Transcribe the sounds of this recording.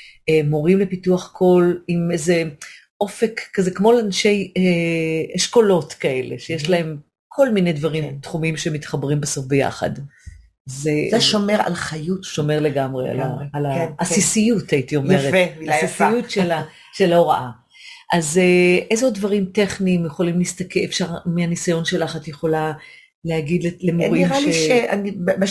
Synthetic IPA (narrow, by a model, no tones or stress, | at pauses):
emoʁimlepituaχkʰo̞limejze | ʔo̞fe̞kːazekmo̞lanʃe̞jeeʃko̞lo̞tkae̞le̞̰ʃejeʃlae̞m | kʰo̞lmine̞jdvaʁimtχumimʃemitχabʁimbesofbeja̰χa̰d | zezeʃomeʁa̰lχajutʃo̞meʁleɡamʁḛa̰lalaasisijutaitio̞meʁetemijifsijutʃela | ʃeloʁaʔa | ʔazeʔejzeodvaʁimte̞χniːmjeχo̞limliist̪ɐkeefʃaʁmeanisajo̞nʃe̞laχatjeχo̞la | leaɡid̪lelemoʁiiʁalʃieʃea̰nib